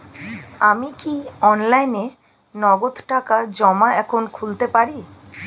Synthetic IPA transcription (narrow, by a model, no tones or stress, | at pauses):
amikiɔnlajne | nɔɡod̪ʱʈakad͡ʑɔmaɛkʰonkʰult̪epaɾi